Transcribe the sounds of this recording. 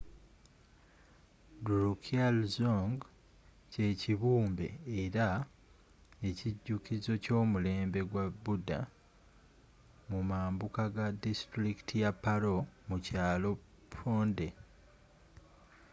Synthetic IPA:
duɾukʰialzoŋɡ | ce̞ːciβuːmbe̞̰ːɾa | e̞ciɟːukizo̞co̞ːmule̞ːmbe̞ɡwaβuda̰ | mumaːmbukaɡadistɾiki̥tʰijapːaɾo̞mucaːlo̞ | pʰoːnde̞

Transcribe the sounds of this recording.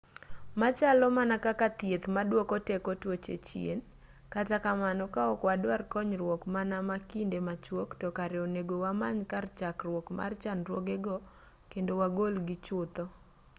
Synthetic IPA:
mat͡ʃalɔmanakakat̪jet̪madwokɔtekɔtwot͡ʃḛt͡ʃjḛn | katakamanɔkaɔkwadwarkɔɲɾwɔkmanamakindemat͡ʃwoktɔkaɾɛɔneɡowamaɲkart͡ʃakrwɔkma̰rt͡ʃanɾwoɡeɡɔ | kendowaɡolɡɪt͡ʃʊt̪ɔ

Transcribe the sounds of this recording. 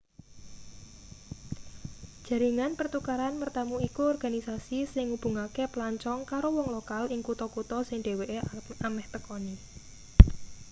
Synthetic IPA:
d̥ʒ̥ä̤ɾiŋanpərt̪ukaɾanmərt̪amuikuɔrɡ̥a̤nisasisɪŋub̥ṳŋakeplaɲt͡ʃɔŋkaɾowɔŋlokalɪŋkut̪ɔkut̪ɔsɪŋɖe̤weʔeamɛht̪əkɔni

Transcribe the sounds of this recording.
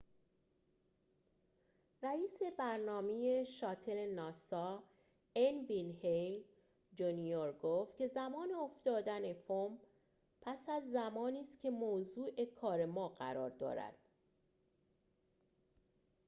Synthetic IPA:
ræiːse̞bæɾnɒːme̞je̞ʃɒːt̪ʰele̞nɒːsɒː | envinhel | d͡ʒunioɾɡoːft̪̚cʰe̞zæmɒːneofd̪ɒːd̪æne̞fom | pʰæsæzːæmɒːniːst̪cʲʰe̞moːzuːʔe̞kʰɒːɾe̞mɒːɢæ̰ɾɒ̰ːɾd̪ɒ̰ːɾæ̰d̪̥

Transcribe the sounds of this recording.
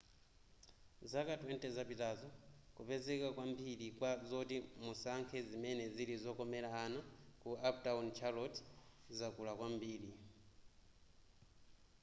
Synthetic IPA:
zakatwɛntɛzapitazɔkupɛzɛkakwambiɾikwazɔtimusaŋkʰɛzimɛnɛziɾizɔkɔmɛlaːnakuap̚taɔnt͡ʃʰalɔtʰzakulakwambiːɾi

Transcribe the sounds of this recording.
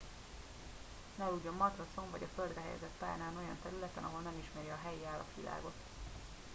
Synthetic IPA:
nɛuːɟo̞mːɒt̪roso̞ɱvɒɟɒføld̪rɛɦɛ̰jɛ̰zɛt̪pa̰ːjnaːno̞jɒ̰nt̪ɛɾylɛt̪ɛnɒɦo̞lnɛmiʃmɛɾjɛɒɦɛjiaːlːɒ̰t̪ʋḭla̰ːɡo̞t̪

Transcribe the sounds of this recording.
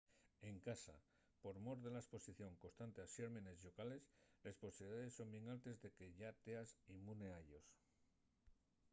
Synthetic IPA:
e̞ŋkasa̰ | po̞ɾmo̞ɾðe̞laespo̞siθjo̞ŋko̞st̪ant̪e̞aʃeɾmene̞zʎo̞kale̞sle̞spo̞siβliðaðe̞sːo̞mbje̞ŋalt̪e̞zðe̞ke̞ʝat̪e̞asimune̞aʎo̞s

